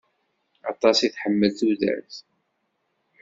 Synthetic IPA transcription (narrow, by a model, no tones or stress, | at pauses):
ɑt̪ˤɑsiθħəmːəlθuðæ̰θ